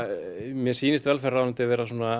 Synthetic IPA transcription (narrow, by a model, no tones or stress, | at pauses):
mjɛ̥siːnɪst̪vɛlfɛraːnʏmt̪ɪavɛːɾasuːna